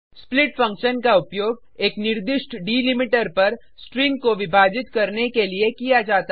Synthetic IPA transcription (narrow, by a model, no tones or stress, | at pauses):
splɪʈfɐ̃ŋkʃənkaʊpjoːɡ | eːknɪɾd̪ɪʃʈɖiːlɪmɪʈəɾpɐɾ | sʈɾɪ̃ŋɡ̚koʋɪbʱaːd͡ʒɪt̪kɐɾnekeliekijad͡ʒaːt̪a